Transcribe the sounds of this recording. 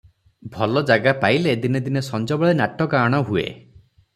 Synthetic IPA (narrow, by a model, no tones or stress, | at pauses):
bʱɔlɔd͡ʒaɡapailed̪ined̪inesɔnd͡ʒɔbɔɭenaʈɔkaːɽ̃ɔɦuḛ